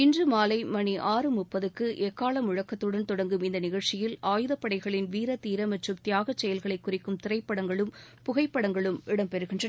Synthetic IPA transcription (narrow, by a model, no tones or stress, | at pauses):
ɪndrɯmaːlɐɪmɐniʔaːrɯmʊpːɐðɯkːɯʔɛːkːaːlɐmʊɻɐkːɐt̪ːɯɽɐnt̪ɔɽɐŋɡɯmɪnd̪ɐnɪɣɐɻt͡ʃɪjɪlaːjɯðɐpːɐɽɐɪɣɐɭɪnʋiːɾɐt̪iːɾɐmɐʈrɯmt̪jaːɣɐt͡ʃːɛjɐlɣɐɭɐɪkːʊrɪkːɯmt̪ɪɾɐɪpːɐɽɐŋɡɐɭɯmpʊɣɐɪpːɐɽɐŋɡɐɭɯmʔɪɽɐmpɛɾɯɣɪndrɐ